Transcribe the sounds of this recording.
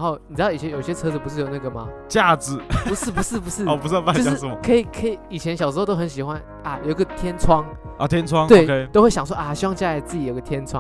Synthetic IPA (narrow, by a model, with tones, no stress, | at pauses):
nxo˥˩ʊni˨˩t͡sɻ̩˧˥ɑ˥˩i˨˩jɛ˥˧jo˨ʊi˧ɕjɛ˧˥t͡sʰɤ˥t͡sɹ̩˨˩pu˧˥ʂ̬ɻ̩˥˩jo˨˩ʊna˥˩ɡə˩ma˨ | t͡ɕja˥˩t͡sɻ̩˨˩u˧ʂɻ̩˥˩pu˧ʂɻ̩˥˩p̬u˧˥ʂɻ̩˥ɔ˨˩pu˧˦˥pa˥˧˥ʊt͡ɕ̩˥sm˨˧kʰɤ˧˥i˨˩kʰə˧˦˥i˨i˨˩t͡ɕʰjɛ˧˦nɕjʂɻ̩˧˥˧o˥xə˧˦nɕi˨˩xwa˦n | a˨˩jo˨˩i˧ɡə˨t̪ʰjɛ˥nt͡sʰwɑ˥ŋ | ʔt̪ʰjɛ˥nt͡sʰwɑ˥˦ŋt̪we˥˨˧ɪkʰe˦t̪o˥ʊxwe˥˩ɕɑ˨ŋswɔ˥˧ʔa˨˩ɕi˧˥wɑ˥˧ŋt͡ɕja˥˩la˧˥ɪt͡sɹ̩˥˩t͡ɕi˨jo˨˩˧ɡə˧t̪ʰjɛ˧˥nt͡sʰwɑ̰˦